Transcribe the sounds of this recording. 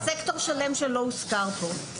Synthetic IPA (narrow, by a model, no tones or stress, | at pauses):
sekto̞ʁʃale̞mʃelo̞uskaʁpo